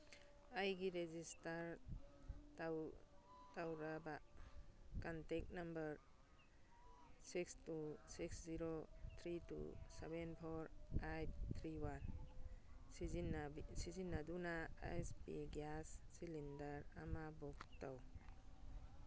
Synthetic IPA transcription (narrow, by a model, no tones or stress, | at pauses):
ajɡiɾezistaɾ | ta | tawɾaba | kantek̚nambɐɾ | sikstusiksziɾot̪ʰɾitṵsebenpʰɔɾajt̚t̪ʰɾiwan | nsizinːadunaa̰jspḭɡassilindɐɾamabɔktaw